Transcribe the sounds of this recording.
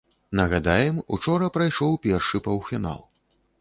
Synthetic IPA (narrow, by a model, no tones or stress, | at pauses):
nɐɣad̪ajɛmṵt͡ʂɔɾɐpɾajʂɔwpʲɛrʂɨpɐwfʲina̰lˠ